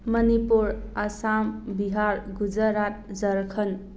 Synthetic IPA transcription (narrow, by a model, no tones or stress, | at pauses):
mənipuɾasambiɦaɾɡud͡zəɾat̪̚d͡zəɾkʰən